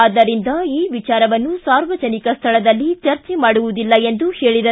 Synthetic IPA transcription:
aːd̪ɐɾind̪ɐiːʋit͡ʃaːɾɐʋɐnːusaːɾʋɐd͡ʒɐnikɐst̪ʰɐɭɐd̪ɐlːit͡ʃɐɾt͡ʃɛmaːɽuʋud̪ilːɐe̞nd̪uheːɭid̪ɐ

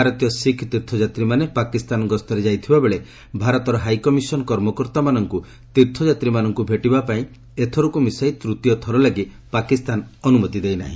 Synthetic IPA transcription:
baɾɔt̪ijɔsikʰt̪iɾt̪ʰɔd͡ʒat̪ɾimanepakist̪anɔɡɔst̪ɔɾed͡ʒajt̪ʰibabeɭe | bʱaɾɔt̪ɔɾɔɦajkɔmisɔnɔkɔɾmɔkɔɾt̪amanɔŋku | t̪iɾt̪ʰɔd͡ʒat̪ɾimanɔŋkubʱeʈibapaĩ | et̪ʰɔɾukumisajt̪ɾut̪ijɔt̪ʰɔɾɔlaɡi | pakist̪anɔnumɔt̪id̪ejna̰ɦḭ̃

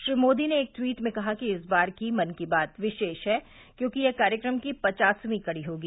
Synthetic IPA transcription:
ʃɾiːmoːd̪ineːk̚t̪wiːʈmẽkɐɦakiɪsbaːɾkimɐnkibaːt̪ʋɪʃeːʃɦɛː | kjõːkijɛkaːɾjəkɾəmkipɐt͡ʃaːsmĩkɐɽiɦoːɡiː

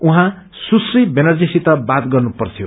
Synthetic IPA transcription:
uɦã | susribenʌrd͡zisit̪ʌbat̪ɡʌrnupʌrt̪ʰjo

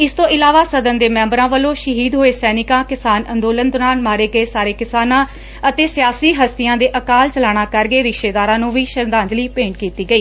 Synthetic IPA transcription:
ɪst̪õːʔɪlaːʋaːsəd̪ənd̪eːmɛ̃ːmbɾãːʋəlõːʃəɦiːd̪ɦoːeːsɛːnɪkãːkɪsaːnənd̪oːlənd̪ʊnaːnmaːɾeːɡəeːsaːɾeːkɪsaːnãː | ət̪eːsɪjaːsiːɦəst̪ɪjãːd̪eːʔəkaːlt͡ʃəlaːɽ̃aːkəɾɡeːɾɪkʃeːd̪aːɾãːnũːʋiːʃəɾd̪ãːɲd͡ʒliːpẽːɳʈ̚kiːt̪iːɡəiː

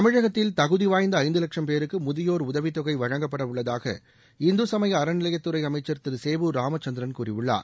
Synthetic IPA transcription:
t̪ɐmɪɻɐɣɐt̪ːɪlt̪ɐɣɯðɪʋaːjnd̪ɐːɪnd̪ɯlɐkʂɐmpeːɾɯkːɯmʊðɪjoːɾʊðɐʋɪt̪ːɔɣɐɪʋɐɻɐŋɡɐpːɐɽɐʋʊɭːɐðaːɣɐ̰ | ɪnd̪ɯsɐmɐjɐːɾɐnɪlɐjɐt̪ːɯɾɐɪɐmɐɪt͡ʃːɐɾt̪ːɯlseːʋɯɾaːmɐt͡ʃːɐnd̪ɪɾɐnkuːrɪʋɯɭːa̰ːɾ

